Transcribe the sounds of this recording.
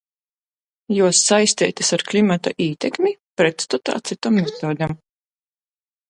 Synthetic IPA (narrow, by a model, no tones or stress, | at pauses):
juɔsːajst̪ɛ̰ːt̪isaɾklʲimat̪aʔiːt̪ɛkmʲipɾɛt̪st̪ɔt̪a̰ːt̪sit̪amːɛt̪oːd̪ʲam